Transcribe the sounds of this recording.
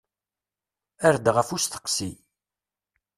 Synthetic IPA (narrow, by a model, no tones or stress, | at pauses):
æɾd̪ʁəfust̪ə̥qːsi